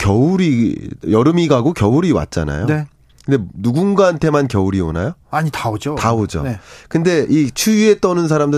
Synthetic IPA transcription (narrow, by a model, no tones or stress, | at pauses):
kjʌuɾijʌɾɯmiɡaɡokjʌuɾiwa̰t̚t͡ɕ͈a̰na̰joe | kɯnde̞nuɡunɡaɦantʰe̞mankjʌuɾio̰na̰joaɲitaod͡ʑotaod͡ʑo̰nekɯnde̞it͡ɕʰuiet͈ʌnɯns̬ʰaɾamdɯ